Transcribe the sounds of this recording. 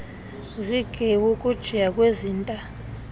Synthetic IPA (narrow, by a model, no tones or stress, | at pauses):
ziɡ̥ʱewukʼud̥ʒ̥ʱijakʼweziːntʼa